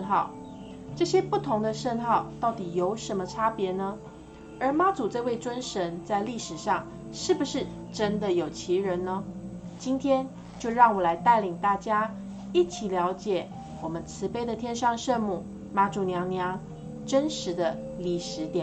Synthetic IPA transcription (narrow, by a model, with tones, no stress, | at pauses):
nxɑ˥˩ʊ | ʈ͡ʂɤ˥˩ɕjɛ˥pu˥˩t̪ʰʊ˧˥ŋd̪ə˧ʂə˥˧nxɑ˥˧ʊt̪ɑ˥˩ʊt̪i˨˩jo˧˥ʊʂə˧˥nmə˧ʈ͡ʂʰa˥pjɛ˧˥nə˧ | ə˞˧˥ma˥t͡su˨˩ʈ͡ʂɤ˥˧we˥˩ɪʈ͡ʂwə˥nʂə˧˥nt͡sa˥˧ɪli˥˩ʂɻ̩˨˩ʂɑ˥˧ŋ | ʂɻ̩˥˩bu˩ʂɻ̩˥˩ | ʈ͡ʂə˦˥nd̪ə˨jo˨˩ʊt͡ɕʰi˧˥ɻə˧˥nnə˧t͡ɕi˥nt̪ʰjɛ˥n | t͡ɕjo˥˧ʊɻɑ˥˩ŋwɔ˨˩la˧˥ɪt̪a˥˩ɪli˨˩ŋt̪a˥˩t͡ɕja˥ | i˥˩t͡ɕʰi˨˩ljɑ˧˥ʊt͡ɕjɛ˨˩ | wɔ˨˩mə˦nt͡sʰɹ̩˧˥pe˥ɪd̪ə˨t̪ʰjɛ˥nʂɑ˥˧ŋʂə˥˧nmu˥˩ | ma˥ʈ͡ʂu˨˩njɑ˧˥ŋnjɑ˧˥ŋ | ʈ͡ʂə˥nʂɻ̩˧˥d̪ə˧li˨˩ʂɻ̩˧˥t̪jɛ˨˩˦